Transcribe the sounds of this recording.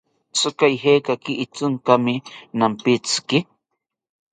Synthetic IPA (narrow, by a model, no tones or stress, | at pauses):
sʊkajɦeːkakɪʔːt͡sʊŋkamɪnampɪt͡skɪ